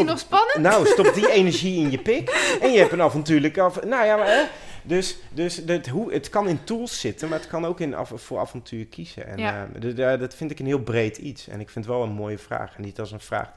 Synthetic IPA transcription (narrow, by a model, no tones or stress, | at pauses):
nspɑnnowstɔptdiejnəɹʒiɪnjəpɪkɛnjəɦɛpənavɔntyːləknojadøsdøsdətɦuətkɑnɪntulˠsːɪtənmaːɹətkɑnowkɪn̰fʊːɹa̰vɔntʰyːɹkʰiz̥ə̰ɛ̰nddɑtfɪntɪkənɦɪːlˠbrejtʰitsɛ̰nɪkfɪntʋɛlˠənmoːjəv̥ra̰ːxɛndɪtɔsənv̥ra̰ːx